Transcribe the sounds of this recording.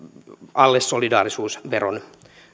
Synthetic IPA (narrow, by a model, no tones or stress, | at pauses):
ɑlːesːolidɑːrisuːsʋero̰n